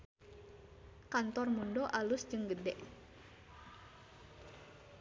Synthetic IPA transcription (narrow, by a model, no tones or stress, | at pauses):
kant̪ɔrmundoʔalʊsd͡ʒɨŋɡədɛʔ